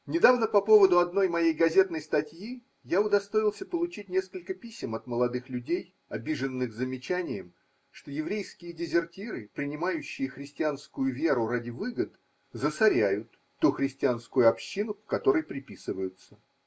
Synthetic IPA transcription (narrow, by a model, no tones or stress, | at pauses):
nʲɪd̪avnəpɐpo̞vəd̪ʊɐd̪no̞jmɐjejɡɐzʲet̪nəjst̪ɐtʲji | jaʊd̪ɐst̪o̞ɪlˠsʲəpəlˠʊt͡ɕit̚ʲnʲe̞skəlʲkəpʲisʲɪmɐt̪məlˠɐd̪ɨxlʲʉdʲej | ɐbʲiʐɨnːɨxzəmʲɪt͡ɕænʲɪjəm | ʂt̪o̞jɪvɾʲejskʲɪjədʲɪzʲɪrtʲiɾɨpɾʲɪnʲɪmajʉɕːɪjəxɾʲɪsʲtʲɪanskʊjʊvʲe̞ɾʊɾadʲɪvɨɡət̪ | zəsɐɾʲæjʊt̪ːuxɾʲɪsʲtʲɪanskʊjʊɐpɕːinʊkkɐt̪o̞ɾəjpɾʲɪpʲisɨvəjʊt̪sə